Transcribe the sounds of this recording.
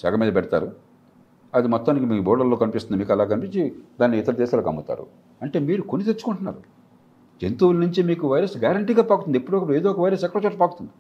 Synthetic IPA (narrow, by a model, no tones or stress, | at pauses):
sɛːɡɐmiːd̪ɐpɛɽɐt̪a̰ːɾu | ɐd̪imɔt̪ːaːnikimiːbɔːɽɐlːo̞ːkɐnipist̪und̪imiːkɛlaːk̬ɐnipiɲt͡ʃid̪aːnːiːt̪ːɐɾɐd̪eːsaːlɐkɐ̰mbut̪a̰ːɾṵ | ɐɳʈe̞ːmiːɾukonit̪et͡ʃːu̥kuɳʈunːa̰ːɾu | d͡ʒent̪uːlɐnuɲt͡ʃimiːkuʋɐjɾɐsɡaːɾɐɳʈiːɡaːpaːkut̪und̪epːuɽɔkɐɽueːd̪oːɔkɐʋɐjɾɐsɛkːɐɾɐt͡ʃaːɾpaːkut̪und̪i